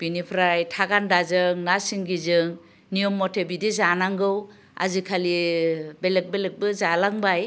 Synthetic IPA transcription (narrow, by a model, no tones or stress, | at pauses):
b̥inipʰɾajtʰaɡandazɯŋnasiŋɡizɯŋ | nijɔmːɔtʰebidizanaŋɡɯw | a̰zikʰalibelek̚belek̚bɯzalaŋbaj